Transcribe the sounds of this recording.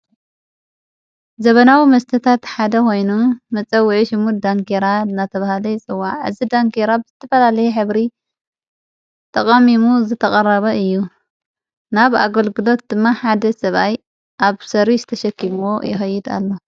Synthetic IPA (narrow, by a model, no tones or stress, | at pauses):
zɐβɐnawimɐst̪ʰɐt̪ʰat̪ħad̪ɐkʰo̞jnumɐt͡sʼɐwːʕiʃɨmud̪aŋkʰeɾat̪nat̪ʰɐβahlɐjt͡sʼɨwaʕɨ̰zid̪aŋkeɾabɨz̥ɨt̪ʰːɐfɐlalɐjɛħɨβɾi | t̪ʰʼɐkʼɐmimuzɨt̪ʰɐkʼɐrɐβɐɨjːu | naβa̰ɡɐlɡɨlo̞t̪̚d̪ɨmːaħad̪ɐsɐβaj | ʔaβsɐɾizɨt̪ʰɐʃɐkʰːimuwo̞jɪxɐjːɪd̪a̰lːo